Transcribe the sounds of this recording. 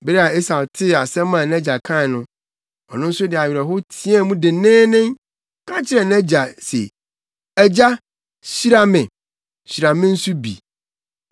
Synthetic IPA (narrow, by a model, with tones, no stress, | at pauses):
be˦ɛ˦a˨e˦sa˨tʰɪ˦a˨sɛ̃˦mã˨nɛ̃˦d͡ʑa˨kʰã˦˨nʊ̃˦ | ɔ˨nʊ̃˦n̩˦sʊ˦dɪ˨a˨ɥɾɛ˨ɦʊ˦tʰĩ˦a˦˨˦mũ˦dɪ˨nɛ̃ː˦nɪ̃˦ŋ | kʰã˦t͡ɕʰɪ˦ɾɛ˨nɛ̃˦d͡ʑa˨sḛ˨ | ɛ˨d͡ʑa˦ | ɕi˦ɾa˦mɪ̃˨ | ɕi˨ɾa˨mɪ̃˦n̩˦su˦bḭ˨